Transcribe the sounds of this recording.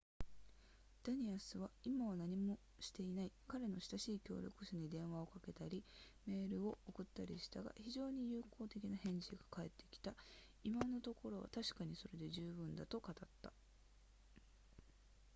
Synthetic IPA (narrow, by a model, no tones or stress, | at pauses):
d̪̥aɲ̟iasɨβaimaβanaɲ̟imo̞ | ɕi̥t̪e̞inaikaɾe̞no̞ɕi̥t̪aɕiːkʲo̞̰ːɾʲʔo̞̰kɯ̟ɕaɲ̟id̪ẽ̞ɰ̃βao̞kake̞t̪aɾʲime̞ːɾɯ̟o̞ʔokɯ̟t̪ːaɾʲiɕi̥t̪aɡa̰çiʑo̞ːɲ̟ijɯːko̞ːt̪e̞kʲinahẽ̞ɲ̟d͡ʑiɡḁkae̞t̪ːe̞̥kʲi̥t̪a | imano̞t̪o̞ko̞ɾo̞βa̰t̪aɕi̥kaɲ̟iso̞ɾe̞d̪e̞ʑɨːbɯ̟̃nd̪a̰t̪o̞kat̪at̪ːa